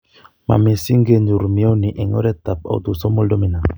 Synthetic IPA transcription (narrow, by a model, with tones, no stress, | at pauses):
ma̰˨me˨si˦ŋɡe˦nd͡ʒu˨ɾu˨mi˨˦o˦ni˨ʔe˨ŋɔ̰˦ɾɛ˦t̪a˨p̚a̰˨wtu˨sɔ˦mo˦ldo˦mi˨na˨